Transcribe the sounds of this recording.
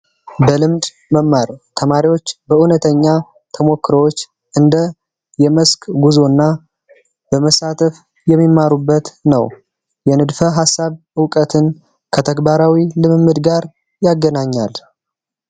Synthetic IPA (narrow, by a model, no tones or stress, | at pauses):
bəlɨmd̪ | məmːaɾt̪ʰəmaɾiwo̞t͡ʃːbəʔunət̪ʰəɲːa | t̪ʰəmo̞kːɾəwot͡ʃː | ʔɨnd̪ə | jɛməskʼɡuzo̞nːa | bəməsat̪ʰəf | jɛmːimːaɾubːət̪nə̰w | jɛnɨd̪fəɦasːaβ | ɨwkʼət̪ʰɨn | kʰət̪ʰəɡbaɾawilɨmɨmːɨd̪ɡaɾ | jaɡːənaɲːal